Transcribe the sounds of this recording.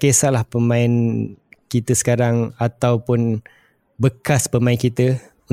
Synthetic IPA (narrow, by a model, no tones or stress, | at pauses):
kesaʔlahpəmãɪnkit̪əsə̥kaɾaŋat̪awpʊn | bəkaspəmãɪnkit̪ə | u